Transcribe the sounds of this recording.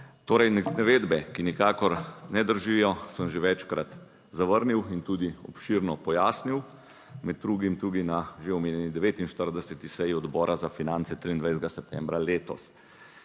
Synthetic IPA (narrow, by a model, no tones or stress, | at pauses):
t̪oːɾɛjnnaʋeːd̪bɛkinikaːkɔɾnɛd̪əɾʒijɔsəmʒeʋɛt͡ʃkɾat̪ | zaʋəɾniwint̪uːd̪iɔ̰pʃiɾnɔpɔjaːsniw | mɛd̪̚ːɾuːɡimt̪ɾuːɡinaʒeɔmeːnjɛnid̪ɛʋeːt̪inʃt̪əɾd̪ɛsɛt̪isɛjiɔd̪bɔːɾʔazafinant̪sɛt̪ɾiːnd̪ʋajszɡasɛp̚t̪ɛːmbɾaleːt̪ɔ̰s